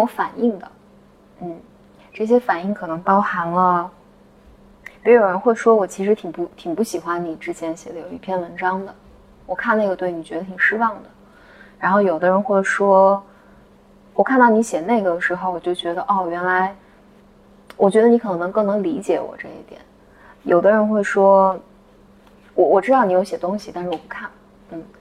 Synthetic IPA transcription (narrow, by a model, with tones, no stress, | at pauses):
ɔ˧˥fa˨˩ni˥˩ŋd̪ə˩ | n̩˥˩ | ʈ͡ʂɤ˥˩ɕ̬jɛ˥fa˨˩ni˥˩ŋkʰɤ˨˩nɤ˧˥ŋpɑ˥ʊxa˧˥nlə˧ | pi˧˥˩o˨˩ɻə˧˥nxwe˥˩ɪʂwɔ˥wɔ˨˩t͡ɕʰi˧˥ʂɻ̩˧˥t̪ʰi˨˩ŋpu˥˩t̪ʰi˨˩ŋpu˥˩ɕi˨˩xwa˥nni˨˩ʈ͡ʂɻ̩˥t͡ɕjɛ˥nɕjɛ˨˩d̪ə˦jo˨˩ʊi˥˩pʰjɛ˥˩nwə˧˥nʈ͡ʂɑ˥ŋd̪ə˨ | wɔ˨˩kʰa˥˧n˥˩ɡə˩t̪we˥˩ɪni˨˩t͡ɕɥɛ˧˥d̪ə˧t̪ʰi˨˩ŋʂɻ̩˥wɑ˥˩ŋd̪ə˩ | ɻa˧˥nxo˥˩ʊjo˨˩ʊd̪ə˦ɻə˧˥nxwʈ͡ʂʂwɔ˥ | wɔ˨˩kʰa˥˧nt̪ɑ˥˩ʊni˧˥ɕjɛ˨˩ne˥˩ɪɡə˩d̪ə˩ʂɻ̩˧˥xo˥˧ʊwɔ˨˩t͡ɕjo˥˩ʊt͡ɕɥɛ˧˥d̪ə˧ʔɔ˥˩˨ɥɛ˧˥nla˧˥ɪ | wʔɔ˨˩t͡ɕɥɛ˧˥d̪ə˧ni˧˥kʰɤ˨˩n˧˥nɤ˧˥ŋkɤ˥˩ŋnɤ˧˥ŋli˧˥t͡ɕjɛ̰˨˩wɔ̰˨˩ʈ͡ʂɤ˥˩ḭ˥˩t̪jɛ̰˨˩˦n | jo˨˩ʊd̪ə˦ɻə˧˥nxwe˥˩ɪʂwɔ˥ | wɔ˨˩wɔ˨˩ʈ͡ʂɻ̩˥d̪ɑ˥˩ʊni˧˥jo˧˥ʊɕjɛ˨˩t̪ʊ˥ŋɕi˨t̪a˥˧nʂɻ̩˥˩wɔ˨˩pu˥kʰa˥˩n | n̩˥˩